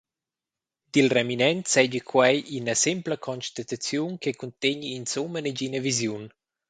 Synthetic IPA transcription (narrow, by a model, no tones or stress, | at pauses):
d̪̥ilreminɛnt̪sɛɟikʰwajʔinəsimpləkʰɔnʃt̪at̪at͡sjunkekunt̪eɲiːnsuməneɟinəvizjun